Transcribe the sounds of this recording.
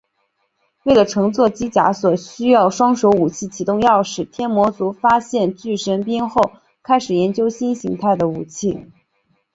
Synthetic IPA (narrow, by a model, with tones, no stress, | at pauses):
we˥˩ɪlə˩ʈ͡ʂʰɤ˧˥ŋt͡swɔ˥˩t͡ɕi˥t͡ɕja̰˧˥swɔ˨˩ɕy˥jɑ˥˩ʊʂwɑ˥ŋʂo˧˥ʊu˨˩t͡ɕʰi˥˩t͡ɕʰi˧˥t̪ʊ˥˧ŋjɑ˥˩ʊʂɻ̩˨˩t̪ʰjɛ˥nmwɔ˧˥t͡su˧˥fa˥ɕjɛ˥˧nt͡ɕy˥˩ʂə˧˥np̬i˥nxo˥˩ʊ | kʰa˥ɪʂɻ̩˨˩jɛ˧˥nt͡ɕjo˥ʊɕi˥nɕi˧˥ŋt̪ʰa˥˩ɪd̪ə˩u˨˩t͡ɕʰi˥˩